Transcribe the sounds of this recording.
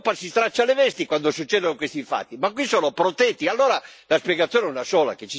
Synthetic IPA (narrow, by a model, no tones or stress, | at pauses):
pːasist̪ɾat͡ʃːalɛvɛst̪ikwand̪osut͡ʃːɛːd̪onokwest̪iɱfa̰t̪ːimakːwisɔːnopɾɔt̪ɛt̪ːialːɔːɾalaspjɛɡat̪sːjɔːnɛunasɔːla̰ket͡ʃːi